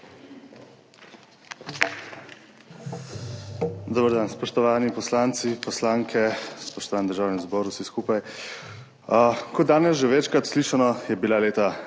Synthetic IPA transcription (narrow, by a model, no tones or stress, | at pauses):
d̪oːbəɾd̪aːnspɔʃt̪ɔʋaːnipɔslaːnt̪sipɔslaːŋkʰɛspɔʃt̪ɔʋaːnɛd̪əɾʒaːwnɛɡzbɔːɾusiskuːpaj | əkɔaːnɛsʒɛʋɛt͡ʃkɾat̪sliːʃanɔjɛbilaleːt̪a